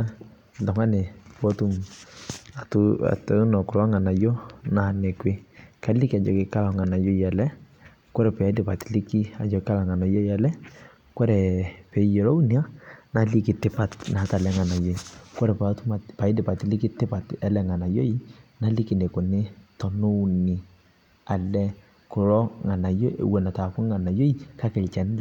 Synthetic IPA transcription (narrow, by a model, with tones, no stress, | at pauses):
lɔ˨ŋa˦nɛ˨pɔ˦tu˦m | a˨tṵ˨tnɔ˨kɔ˨la˦ŋa˨na˨jɔ˦na˨nɛ˨kwe˦ka˨˦lɪ˦ki˦a˨d͡ʒɔ˨kɪ˨˦ka˦la˨ŋa˨na˨jɔ˦ja˨lɛ˦ | kɔ˦ɾɛ˨pɛ˨a˨˦dɪ˨pa˨ti˨li˦ki˦a˨d͡ʒɔ˨kɪ˦ka˦la˨ŋa˨na˨jɔ˦ja˨lɛ˦ | kɔ˦ɾɛ˨pɛ˨˦jɔ˨ɾo˦u˦nia˦na˨˦li˦kɪ˨tɪ˦pa˨tna˨˦ta˨lɛ˦ŋa˨na˨jo˦ikɔ˦ɾɛ˨pa˨tu˦ma˨tpa˨ɪ˦dɪ˨pa˨tɪ˦lɪ˦kɪ˦tɪ˦pa˨tɛ˨lɛ˦˨ŋa˨na˨jo˦ina˦li˦kɪ˨ne˨ko˨ne˦tɔ˨nʊ˦ni˨ | a˨lɛ˦ | kʊ˨ɾɔ˦ŋa˨na˨jo̰˦˨wɛ˨na˨ta˨ku˦ŋa˨na˨jo˦i˦ka˦kɛ˨lt͡ʃɛ˨n˦l